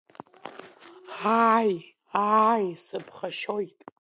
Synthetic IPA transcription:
aj | ajsɨpʰχaʃojtʼ

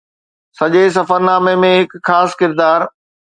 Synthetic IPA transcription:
sɐʄes̬ɐfəɾnaːmemẽɦɪkxaːskɪɾd̪aːɾ

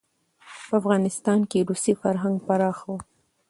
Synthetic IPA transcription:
pəafɣɑnɪst̪ɑnkeɾusifaɾɦaŋɡpaɾɑxwo

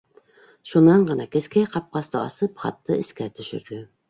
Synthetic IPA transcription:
ʃunːɑnʁɑnɑkʲeskʲɪqʰɑp̚qɑst̪ɑɑ̰sɯpχɑ̰t̪ʰːɨɪskʲɛt̪ʰyʃy̰ɾd̪y

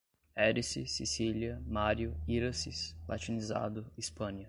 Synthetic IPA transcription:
ɛɾisisisiliɐmaɾjʊiɾɐsisla̰t͡ʃiniza̰d̪ʊispɐ̃nɐ

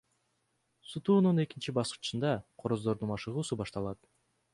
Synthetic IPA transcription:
sut̪uːnune̞kint͡ʃibɑsqɯ̥t͡ʃɯnd̪ɑqʰo̞ɾo̞zd̪o̞ɾd̪unmɑʃɯʁuːsubɑʃt̪ɑlˠɑt̪

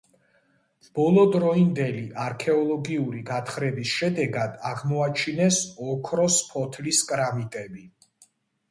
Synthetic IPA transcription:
b̥ɔlˠɔd̪ɾɔind̪ɛliʔaɾkʰɛɔlˠɔɡiuɾiɡat̪ʰχɾɛbisʃɛd̪ɛɡad̪aʁmɔat͡ʃʰinɛsɔkʰɾɔspʰɔt̪ʰliskʼɾamit̪ʼɛbi

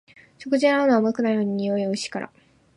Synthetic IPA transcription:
ɕo̞kɯ̟ʑiaɾonoamokɯ̟naino̞ɲ̟iɲijo̞iɯ̟ɕi̥kaɾa̰

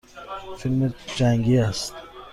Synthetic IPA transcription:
filmed͡ʒæŋɡiæst̪

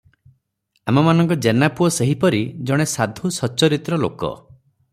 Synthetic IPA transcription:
amɔmanɔŋkɔd͡ʒenapuɔseɦipɔɾid͡ʒɔɽ̃esad̪ʱusɔt͡ʃɔɾit̪ɾɔlo̰kɔ̰

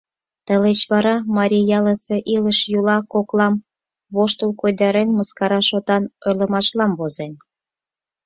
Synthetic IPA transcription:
t̪ə̆let͡ɕβɑɾɑmɑɾʲijɑləseʔiləʃjulɑkoklɑm | βoʃt̪əlkojd̪ɑɾenmə̆skɑɾɑʃot̪ɑnojlə̆mɑʃlɑmβozen

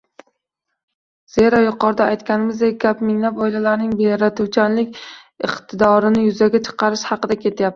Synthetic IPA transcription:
z̥e̞ɾɒjʊqɒɾd̪aːjt̪kʲanɪmɪzd̪eɡʲapmɪŋlapɒjlalaɾnɪŋbejɾat̪ʰuwt͡ʃʰanlɪkʲ | ɪ̰qt̪ʰɪd̪ɒɾɪnɪjʊzaɡʲat͡ʃʰɨ̥qʰɑɾɪʃhɑqɨd̪akʲʰe̞t̪ʰjap̚t̪ɪ̥

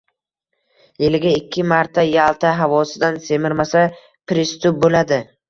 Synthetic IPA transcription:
jelɪɡʲaɪkʲʰːɪmaɾt̪ʰajalˠt̪ʰaɦavɒsɪd̪anse̞mɪɾmasa | pʰɾɪst̪ʊp̚bolad̪ɪ

